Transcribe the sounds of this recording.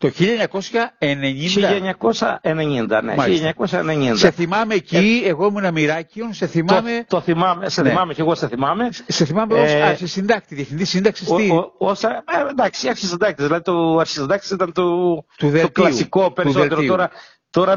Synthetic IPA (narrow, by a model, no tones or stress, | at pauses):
t̪o̞çiʎɐeɲɐko̞sçɐe̞ne̞ɲindid̪ɐʎɐeɲɐkosɐ̰eneɲind̪ɐ̰nḛmɐiʎɐɲɐkosɐeneɲindseθimɐme̞ciieɣo̞muenɐmiɾɐcionse̞θimɐme̞t̪oθimɐmeseθniemɐmeceɣoseθimɐme̞se̞θimɐmeosɐɾçisind̪ɐkt̪iðiefθind̪isind̪ɐksist̪iosɐend̪ɐksiɐɾçizɐnd̪ɐk̚t̪ezðilɐðit̪oɐɾçizɐnd̪ɐk̚t̪e̥sit̪ɐnt̪ot̪uðelot̪kllɐisusikopeɾuseolt̪eɾooɾɐ | t̪o̞ɾɐ